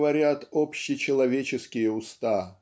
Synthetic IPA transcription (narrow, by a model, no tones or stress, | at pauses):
vɐɾʲat̪opɕːɪt͡ɕɪlˠɐvʲet͡ɕɪskʲɪjəʊst̪a